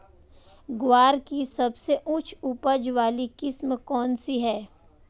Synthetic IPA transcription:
ɡwaːɾkisɐbseʔʊt͡ʃʰupəd͡ʒʋaːlikɪsmkɔːnsiɦɛː

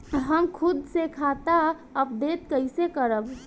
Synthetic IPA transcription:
ɦəmkʰʊd̪sekʰat̪a | əpd̪et̪kəɪsekəɾəb

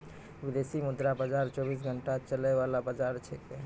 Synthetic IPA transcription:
bid̪esimud̪ɾabad͡ʒaɾt͡ʃobis̬ɡʱəɳʈat͡ʃələjʋalabad͡ʒaɾt͡ʃʰɛke

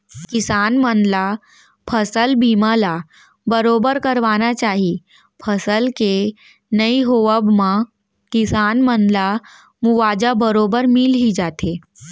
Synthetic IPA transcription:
kɪsaːnmənla | pʰəsəlbiːmãla | bəɾoːbəɾkəɾʋaːnat͡ʃaːɦi | pʰəsəlke | nəiɦoʋəbmã | kɪsaːnmənla | muʋaːd͡ʒabəɾoːbəɾmilɦid͡ʒaːt̪ʰe

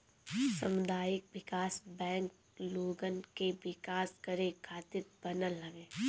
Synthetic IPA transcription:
sɐ̰mʊd̪ʱaːjɪk̚ʋɪkaːsbɛ̃ːŋk̚ | loːɡənkeʋɪkaːskəɾekʰaːt̪ɪɾbɐnəlːɐʋẽː

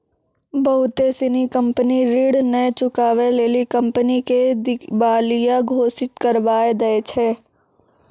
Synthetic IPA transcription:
bɐɦʊt̪esɪnikə̃mpəniɾiːɽnəet͡ʃʊkaːʋeleːlikə̃mpəniked̪ɪbaːlijaɡʱoːsɪt̪kəɾʋaːed̪ɐet͡ʃʰɛː

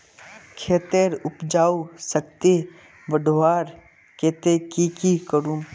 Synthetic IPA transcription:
kʰeːt̪eɾʊpd͡ʒaːusək̚t̪e | bəɖʱʋaːɾ | keːt̪ekikikəɾũ

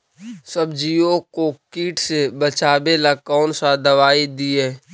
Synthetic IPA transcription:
səbd͡ʒiõkokiːʈsebət͡ʃaːbelakɔːnsad̪ɐʋaːid̪iɦɛː

